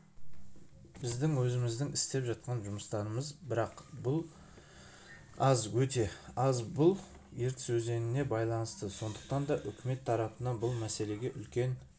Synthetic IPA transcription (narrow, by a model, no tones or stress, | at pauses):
bɪzd̪ɪŋwɵzɪmɪzd̪ɪŋɪst̪e̞pʒɑt̪̚qɑnʒʊməst̪ɑɾəməzbɪɾɑqbʊlˠ | ɑzwɵt̪e̞ɑzbʊlˠ | je̞ɾt̪ɪ̥swɵze̞nɪne̞bɑjlˠɑnəst̪əso̞nd̪əq̚t̪ɑnd̪ɑʔʏkʲʰɪme̞t̪ʰːɑɾɑpənɑnbʊlˠmæse̞le̞ɡʲe̞ʔʏlkʲe̞n